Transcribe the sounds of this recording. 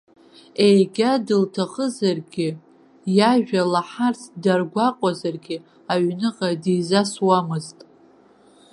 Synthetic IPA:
ejɡʲadɨltʰaχʼəzarɡʲɪ | jaʒᶣalaħartʰdarɡʷaqʼazarɡʲɪ | aɥnɨqʼadizaswamɨztʼ

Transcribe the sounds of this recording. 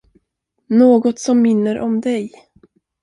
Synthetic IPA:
noːɡɔt̪sɔmːɪnːəɾʔɔmd̪ɛj

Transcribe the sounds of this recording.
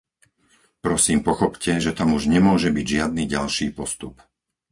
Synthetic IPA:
pɾɔsiːmpɔxɔpcɛʒɛt̪amuʒɲɛmʊɔʒɛbiɟʒɪad̪̚niːɟalʃiːpɔst̪up

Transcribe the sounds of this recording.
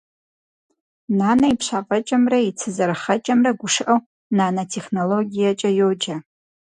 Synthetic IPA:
nanaipʰʂʷaqʼət͡ʃʼamrait͡sʰɨzɨrχat͡ʃʼamraɡʷʊʂʔaw | nanatʰeχnoloɡʲijat͡ʃʼajod͡ʒa

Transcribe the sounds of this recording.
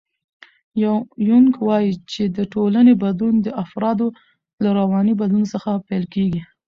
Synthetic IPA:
jawjuŋkwɑjit͡ʃed̪əʈolanebad̪lund̪əʔafɾɑd̪o | laɾawɑnibad̪lunosəxapajlkeɡi

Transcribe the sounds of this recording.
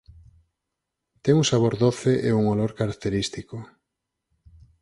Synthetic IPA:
t̪ɛŋuŋsaβ̞oɾðoθeʔeuŋoloɾkaɾak̚t̪eɾist̪iko

